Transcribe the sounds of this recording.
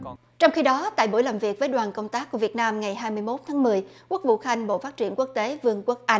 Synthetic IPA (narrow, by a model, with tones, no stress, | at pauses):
t͡ɕɔ˧wŋ͡mxi˧ɗɔ˨˦t̪a̰ː˧˨jɓu˧˩jlaː˨˩mvi˨˩ək̚vəː˨˦jɗwaː˨˩nkə˧wŋ͡mt̪aː˦˥k̚ːu˧˩vi˨˩ət̚naː˧mŋa˨˩jɦaː˧jmɨ˧əjmo˦˥t̚t̪ʰaː˨˦ŋmɨ˨˩əjku˦˥ək̚vṵ˧˨xa˧jŋ̟ɓo̰˧˨faː˦˥t̚t͡ɕi˧˩ənku˦˥ək̚t̪e˨˦vɨ˧əŋkwu˦˥k̚ʔa˧